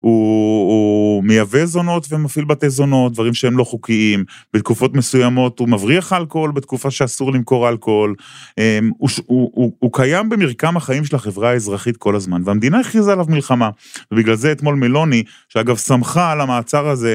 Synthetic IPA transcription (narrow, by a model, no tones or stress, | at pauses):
u | me̞jave̞zo̞no̞t̪vemafilbat̪ezo̞no̞t̚d̪vaʁimʃeemlo̞χukiim | b̥et̪̚kufo̞t̪mesujamo̞t̪umavʁiaχalko̞lbet̪̚kufaʃeasuʁlimko̞ʁalko̞lemuʃuuːkajambemiʁkamhaχaimʃe̞laχe̞vʁaaezʁaχit̪̚kʰo̞lazmanveamed̪inaiχizalavmilχama | vebiɡlalzeet̪mo̞lme̞lo̞ni | ʃeaɡavsamχalamaːt͡saʁaze̞